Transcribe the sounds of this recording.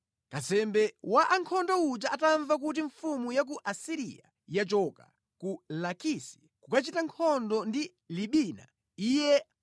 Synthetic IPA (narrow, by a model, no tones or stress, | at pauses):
kasɛmbɛwaʔaŋkʰɔndɔut͡ʃaʔataɱvak̬ut̬iɱfumujak̬uʔasiɾḭja̰ | jat͡ʃɔka̰ | kulakisi̥ | kukat͡ʃitaŋkʰɔndɔndi | liɓina̰ | ijɛ